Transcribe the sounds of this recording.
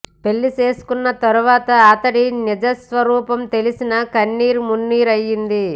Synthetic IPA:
pe̞lːit͡ʃe̞ːsu̥kunːɐt̪ɐɾuʋaːt̪ɐaːt̪ɐɽinɐd͡ʒɐsʋɐɾuːpɐmt̪e̞lisinɐkɐnːiːɾumunːiːɾɐjːind̪i

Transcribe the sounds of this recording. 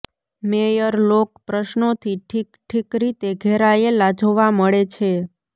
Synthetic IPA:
mejəɾlokpɾəʃnot̪ʰiʈʰikʈʰikɾit̪eɡʱɛɾaelad͡ʒoʋaməɭet͡ʃʰe

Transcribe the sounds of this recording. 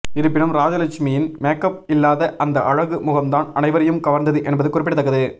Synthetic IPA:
ɪɾɯp̬ːɪnɯmɾaːd͡ʒɐlɐt͡ʃmijɪnmeːkɐp̚ɪlːaːðɐʔɐnd̪ɐʔɐɻɐɣɯmʊɣɐmd̪aːnɐnɐɪʋɐɾɐjɯmɡɐʋɐɾnd̪ɐðɯʔɛnbɐðɯkːʊrɪp̬ːɪʈɯt̪ːɐkːɐðɯ

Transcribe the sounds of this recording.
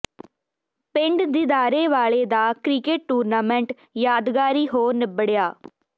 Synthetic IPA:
pɪɳɖd̪ɪd̪aːɾeːʋaːɭeːd̪aːkɾiːkeːʈ̚ːuːɾnaːmɛ̃ːɳʈ | jaːd̪ɡaːɾiːɦoːnɪbəɽɪjaː

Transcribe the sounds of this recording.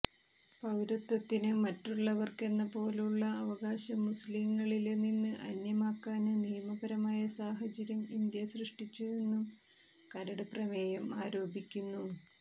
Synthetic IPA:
pɐʋɾɐt̪ːɐt̪ːinɨmɐtːuɭːɐʋɐrke̞nːɐpo̞ːluɭːɐːʋɐɡaːɕɐmːusliŋːɐɭilenːinːɨʔɐ̰njɐmaːkːaːnɨnijɐmɐbɐɾɐmaːjɐsaːɦɐt͡ɕɐɾjɐmind̪jɐsrɨʂʈit͡ɕːue̞nːum | kɐɾɐɽɐprɐmeːjɐmaːɾo̞ːbikʲːunːu

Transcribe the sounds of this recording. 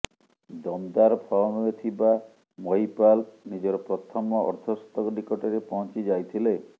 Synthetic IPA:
d̪ɔnd̪aɾpʰɔɭɔmɔet̪ʰiba | mɔipalnid͡ʒɔɾɔpɾɔt̪ʰɔmɔɔ̰ɾt̪ʰɔst̪ɔkɔɖikɔʈeɾepɔɦɔnt͡ʃid͡ʒajt̪ʰile

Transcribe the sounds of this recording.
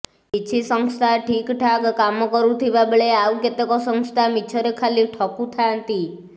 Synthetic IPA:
it͡ʃʰisəŋst̪ʰaʈʰikʈʰakkamɔkɔɾũt̪ʰiʋabəɭeauket̪ekɔsəŋst̪ʰamit͡ʃʰɔɾekʰaliʈʰɔkut̪ʰaənt̪i

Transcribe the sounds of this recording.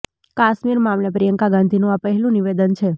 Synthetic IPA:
kaʃmiɾmãːmlepɾijəŋkaɡãnd̪ʱinũapəɦɛlũniʋed̪ənt͡ʃʰe

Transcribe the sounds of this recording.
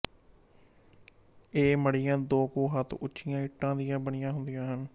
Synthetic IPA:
eːməɽɪjãːd̪oːkoːɦət̪ʰʊt͡ʃʰːɪjãːɪʈːãːd̪ɪjãːbəɳɪjãːɦʊ̃nd̪ijãːɦən

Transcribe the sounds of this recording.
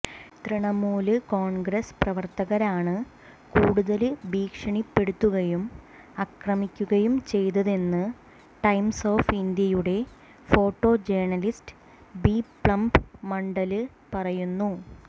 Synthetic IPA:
t̪riɳɐmuːlɨkoːɳɡɾɐsprɐʋɐrt̪ɐɣɐɾaːɳɨ | kuːɽuðɐlɨbiːkʂɐɳipːe̞ɽut̪ːuɣɐjum | ɐkrɐmikʲːuɣɐjumt͡ɕe̞jt̪ɐðe̞nːɨ | ʈɐjmso̞ːfind̪jɐjuɽe̞ | fo̞ːʈːo̞ːd͡ʑeːɳɐlistɨ̥ | bipɭɐmpmɐɳɖɐlɨ | pɐrɐjunːu

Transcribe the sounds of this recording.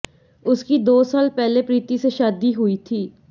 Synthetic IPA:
ʊskid̪oːsaːlpɛːlepɾiːt̪iseʃaːd̪iɦʊit̪ʰiː

